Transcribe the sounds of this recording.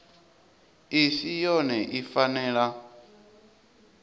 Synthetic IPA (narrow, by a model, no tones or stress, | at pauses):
isijɔnɛʔifanɛːɺa